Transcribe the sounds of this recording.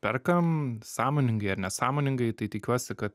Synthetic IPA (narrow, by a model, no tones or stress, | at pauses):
pʲɛ̰rkɐmsɑːmoːnʲɪŋɡɐɪɐɾnʲɛsɑːmoːnʲɪŋɡɐɪt̪ɐɪt̪ʲɪkʲuɔsʲɪkɐt̪